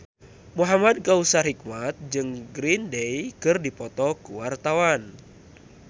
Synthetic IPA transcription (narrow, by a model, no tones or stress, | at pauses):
muɦamad̚ɡausaɦik̚mat̪̚d͡ʒɨŋɡɾindejkɨrdipɔt̪ɔkuwart̪awan